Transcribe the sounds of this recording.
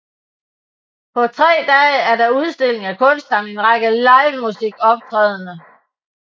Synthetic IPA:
pʰɒ̽t͡sʰʁɛ̰ːd̥ɛːæɐɾ̥ɑ̈uð̞ˠsd̥e̝le̝ŋækʰɔ̽nsd̥ɐne̝nʁɑ̈ɡ̥əlɑ̈ɪʋmusiɡ̥ɒ̽b̥̚t͡sʰʁɛːð̞ˠənə

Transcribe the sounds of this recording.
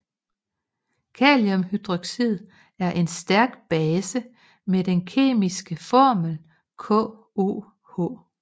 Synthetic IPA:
kʰɛːliɔ̽mhyd̥ʁɒɡ̥sið̞̰ˠ | æɐʔe̝nsd̥æɐɡ̥b̥ɛːsə | med̥enkʰe̝̰ːmisɡ̥əfɒːməl | kʰɔ̰ː | o̝̰ː | hɔ̰ː

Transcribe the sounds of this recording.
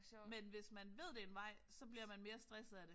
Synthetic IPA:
menʋe̝smænʋe̝ð̞̰ˠd̥e̝ːnʋɑ̈ɪ̰sɒ̽b̥liɐmænme̝ːɐsd̥ʁɛsəð̩ˠæɾ̥e

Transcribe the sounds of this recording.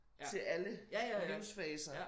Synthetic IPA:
t͡sʰe̝ʔæləiʊsfɛːsɐ

